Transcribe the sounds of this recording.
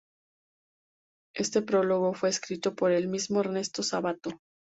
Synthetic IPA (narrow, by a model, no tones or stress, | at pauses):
e̞st̪e̞pɾo̞lo̞ɣo̞fwe̞ːskɾit̪o̞po̞ɾe̞lmizmoeɾne̞st̪o̞saβat̪o̞